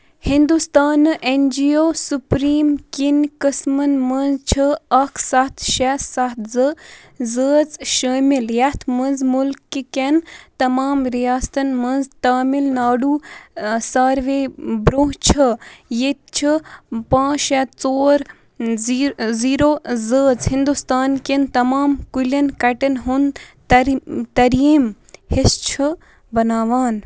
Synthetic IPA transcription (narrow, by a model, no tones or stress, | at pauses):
hind̪ust̪aːnʔenʲd͡ʒioːsupɾiːmkinkəsmənmɐnzt͡ʃʰɨɐkʰsɐt̪ʰʃɛsɐt̪zə | zəːd͡zʃəːmiljɐt̪ʰmənzmulkːikent̪ɐmaːmɾijaːst̪ɐnmənzt̪aːmilnaːɖuːsaːɾʋeːbɾoːɦt͡ʃʰɐjet̪̚t͡ʃʰipãːt͡ʃɐt͡soːɾ | ziːɾoːzəːd͡zɦind̪ust̪aːnkʲent̪ɐmaːmkulɐnkɐʈɐnɦunt̪ɐɾt̪ɐɾiːm | hist͡ʃʰɨ | bɐnaːʋaːn